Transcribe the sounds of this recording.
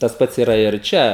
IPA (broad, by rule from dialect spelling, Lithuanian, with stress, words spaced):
tɐs ˈpɐts iːˈrɐ ɪr ˈt͡ʃʲɛ